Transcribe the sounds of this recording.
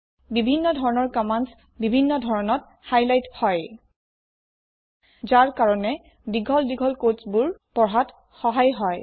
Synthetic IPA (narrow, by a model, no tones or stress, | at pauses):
bibʱinːɔdʱɔɹɔnɔɹkamans | bibʱinːɔdʱɔɹɔnɔt | hajlajthɔj | zaɹkaɹɔnɛ | diɡʱɔldiɡʱɔlkot͡ʃbuɹpɔɹɦat | xɔɦajɦɔj